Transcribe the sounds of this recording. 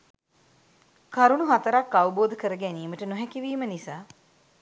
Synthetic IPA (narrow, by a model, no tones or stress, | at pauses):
kaɾuɳuɦat̪əɾakːaʋəboːd̪əkəɾəɡæniːməʈənoɦækiʋiːmənisaː